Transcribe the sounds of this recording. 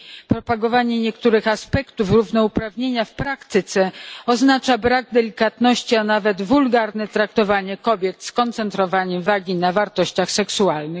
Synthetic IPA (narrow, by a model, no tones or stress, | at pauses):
pɾɔpaɡɔvaɲɛɲɛkt̪uɾɘxaspɛkt̪ufɾuvnɔupɾavɲeɲafpɾakt̪ɘt̪sɛɔznat͡ʂabɾaɡ̚d̪ɛlʲikat̪nɔɕt͡ɕianavɛd̪vulɡaɾnɛt̪ɾak̚t̪ɔvaɲɛkɔbʲjɛt̪skɔnt̪sɛnt̪ɾɔvaɲɛmvaɡʲinavaɾt̪ɔɕt͡ɕaxsɛksualnɘ